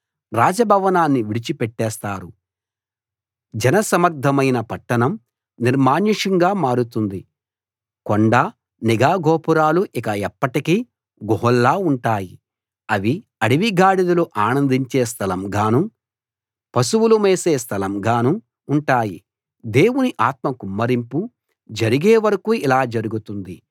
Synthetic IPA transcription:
ɾaːd͡ʒɐbʱɐʋɐnaːnːiʋiɽit͡ʃipɛʈːɛːst̪aːɾu | d͡ʒɛnɐsɐmɐɾd̪ʱɐmɐjnɐpɐʈːɐnɐm | niɾmaːɲiʂɐŋɡaːmaːɾut̪und̪i | koɳɖa | niɡaːɡʱɔːpuɾaːluʔikɐɛpːɐʈikiː | ɡɔɦɔlːaːuɳʈaːji | ɐʋi | ɐɽiʋiɡaːɽid̪ɐluʔaːnɐnd̪iɲt͡ʃeːs̬t̪ʰɐlɐmɡaːnu | pɐsuwulumeːseːst̪ʰɐlɐmɡaːnuː | ɳʈaːji | d̪e̞ːwuniʔaːt̪̚mɐkumːɐɾimpu | d͡ʒɐɾiɡeːʋɐɾɐkuilaːd͡ʒɐɾuɡut̪und̪i

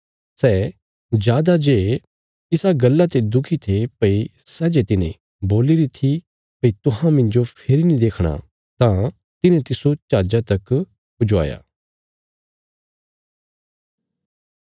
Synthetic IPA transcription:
sɛː | d͡ʒjaːd̪ad͡ʒeː | ɪsaɡɐlːat̪ed̪ʊkʰit̪ʰepɐi | sɛːd͡ʒet̪ɪnḛ̃ | boːliɾit̪ʰi | pɐit̪ʊɦãmɪ̃nd͡ʒopʰeɾinĩd̪eːkʰɽ̃a̰ | t̪ã | t̪ɪnẽt̪ɪsot͡ʃaːd͡ʒat̪ɐk | pʊd͡ʒoa̰ːja̰ː

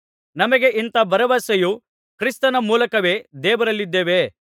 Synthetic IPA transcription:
nɐmɐɡe̞ʔint̪ɐbɐɾɐʋɐseju | kɾist̪ɐnɐmuːlɐkɐʋe̞ːd̪ɛːʋɐɾɐlːid̪ːeːʋe

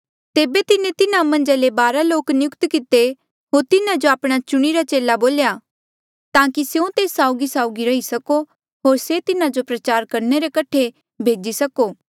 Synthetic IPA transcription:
t̪eːbet̪ɪnẽt̪ɪnamɐ̃nd͡ʒalebaːɾaloːknɪjʊkt̪kɪt̪e | ɦoːɾt̪ɪnad͡ʒoaːpɽ̃at͡ʃʊɽ̃iɾat͡ʃeːlaboːlja | t̪ãːkiseũt̪eːsːaːʊɡisaːʊɡiɾɐɦisɐko | ɦoːɾset̪ɪnad͡ʒopɾɐt͡ʃaːɾkɐɾneɾekɐʈʰe | bʱeːd͡ʒisɐkoː

